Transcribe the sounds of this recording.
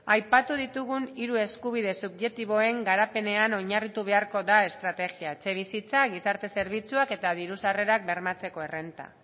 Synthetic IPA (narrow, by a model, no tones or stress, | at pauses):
ajpat̪uð̞it̪uɣ̞uniɾue̞skuβ̞ið̞e̞subʝe̞kt̪iβ̞o̞e̞ŋɡaɾape̞ne̞ano̞ɲarit̪uβ̞e̞aɾko̞ðae̞st̪ɾat̪e̞ɣiaet͡se̞β̞isit͡saɣisaɾt̪e̞se̞ɾβ̞it͡suake̞t̪aðiɾusare̞ɾak̚be̞ɾmat͡se̞ko̞e̞re̞nt̪a̰